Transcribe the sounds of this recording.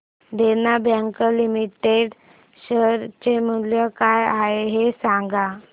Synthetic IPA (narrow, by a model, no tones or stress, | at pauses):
d̪enabjãŋkəlimiʈeɖ | ɕəɾt͡ɕemuljəkajaɦeɦesaŋɡa